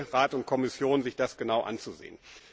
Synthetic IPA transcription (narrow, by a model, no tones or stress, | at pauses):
ʁaːtʊnt̚kʰɔmɪsjoːnzɪçd̥asɡ̥ənaʊʔa̰nt͡suzḛːən